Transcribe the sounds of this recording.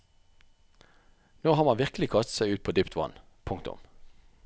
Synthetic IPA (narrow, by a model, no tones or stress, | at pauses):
noːhɑːʁmɑnʋɪʁkəl̩ɪkʰɑst̪sæɪʉːt̪̚pʰoːd̪yːpt̪ʋɑ̰n | pʰʊŋkt̪ʊ̰m